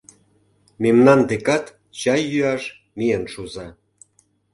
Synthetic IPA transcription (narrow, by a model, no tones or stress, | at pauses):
memnɑnd̪ekɑt̪ | t͡ɕɑjːyɑʃ | mijənʃuzɑ